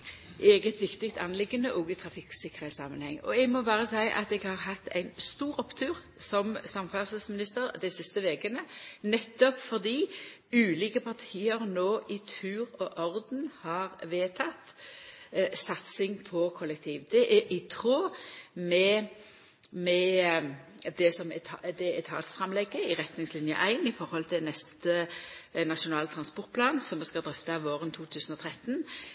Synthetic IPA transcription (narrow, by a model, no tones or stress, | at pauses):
ʔeːɡət̪ʋɪkt̪ɪk̚t̪ɑ̰nlɪɡənəʔɔːɡɪt̪ʰɾɑfɪksɪkːəʁhæɪt̪sɑ̰mənhɛ̰ŋːɔ̰ɛɡmɔbɑːʁəsæɪʔɑ̰t̪ɛɡhɑʁɦɑt̪ʰːæ̰ɪnst̪uːɾɔpt̪ʰʉːʁ | sɔmsɑmfæʁsəsmɪnɪst̪əɾd̪æɛɪsɪst̪əʋeːkənənɛt̪ːɔpfɔʁd̪iː | ʉːliːkəpʰɑʁt̪ʰiːəʁnoːʔɪt̪ʰʉːɾɔʔɔʁd̪nhɑːʁʋeːt̪ʰɑt̪ | sɑt̪sɪŋpʰɔkʰɔlːɛk̚t̪ʰiːʋd̪ɛʔɛʔɪt̪ʰʁoːmɛ | mɛ | d̪ɛsɔmɛd̪ɛɛt̪ʰɑ̰ːt̪sfʁɑmlɛɡːəɪʁɛt̪nɪŋslɪnjə̰ʔæɪnɪfɔɾhɔlt̪ʰɪlnɛst̪ənɑʂʊnɑːlt̪ʰʁɑnspɔɾt̪̚pʰlɑːnsɔmːɛskɑld̪ʁɛft̪əʋoːʁənt̪ʰuːt̪ʰʉːsən̩ɔt̪ʰʁɛt̪n